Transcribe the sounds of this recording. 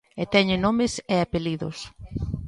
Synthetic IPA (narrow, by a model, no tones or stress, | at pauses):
et̪ɛɲɪnomɪseapeliðʊ̰s